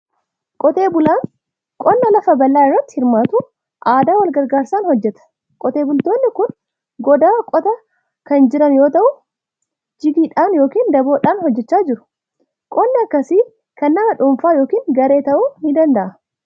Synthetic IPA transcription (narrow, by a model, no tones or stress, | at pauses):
kʼɔt̪e̞ːbʊlaːn | kʼɔnːɐlɐfɐbɐlːaːɪrːɐt̪ːɪhɪɾmaːt̪uː | ʔaːd̪aːwɐlɡɐɾɡaːɾsaːnhɔd͡ʒːɛt̪ɐ̥ | kʼɔt̪e̞ːbʊlt̪oːnːɪkʊn | ɡɔd̪aːkʼɔt̪ɐ | kɐnd͡ʒɪɾɐnjo̞ːt̪ɐʔʊ | d͡ʒɪɡiːᶑaːnjo̞ːkiːnd̪ɐbo̞ːᶑaːnhɔd͡ʒːɛt͡ʃːaːd͡ʒɪɾʊ̥ | kʼɔnːɐɐkːɐsi | kɐnːɐmɐᶑʊmfaːjo̞ːkiːnɡɐɾe̞ːt̪ɐʔuːhɪd̪ɐnd̪ɐʔɐ